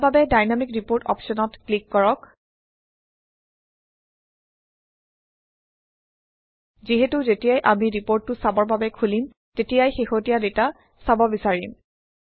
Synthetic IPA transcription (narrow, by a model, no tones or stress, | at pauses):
babɛdajnamikɹipoɹtɔ̰pʃɔnɔtklikːɔɹɔk | ziɦetuzetijajʔamiɹipoɹtːʊsabɔɹbabɛkʰulim | tetijajxexotijadeta | sabɔbisaɹim